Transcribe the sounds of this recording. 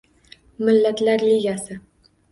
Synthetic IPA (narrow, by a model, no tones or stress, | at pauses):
mɪlːat̪laɾliɡʲasɪ